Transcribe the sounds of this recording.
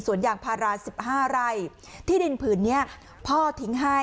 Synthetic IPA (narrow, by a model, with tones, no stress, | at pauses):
su˨˩˦ənjaː˨˩ŋpʰaː˧ɾaː˧si˨˩p̚haː˥˩ɾa˧˩j | t̪ʰiː˥˩di˧npʰɯː˩nːi˦˥ɐ | pʰɔː˥˩t̪ʰi˨˦ŋɦa˥˩